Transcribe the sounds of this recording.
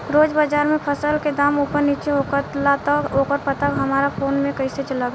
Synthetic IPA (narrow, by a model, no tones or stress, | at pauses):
ɾoːd͡ʒbad͡ʒaːɾmẽpʰəsəlked̪aːmupəɾnit͡ʃeɦokət̪lat̪əokəɾpət̪əkɦəmaːɾapʰoːnmẽkəiset͡ʃəlaɡ